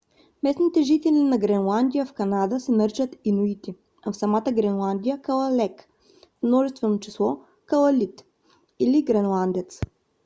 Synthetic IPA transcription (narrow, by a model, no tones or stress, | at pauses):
mɛsnit̪ɛʒit̪ɛlinɐɡɾɛnlˠand̪ijəfkɐnad̪əsɛməɾt͡ʃət̪inuit̪i | afsɐmat̪əɡɾɛnlˠand̪ijəkəlˠəlɛk | fmnɔʒɛst̪vɛnot͡ʃislˠɔ | kəlˠɐlit̪ | iliɡɾɛnlˠand̪ɛt̪s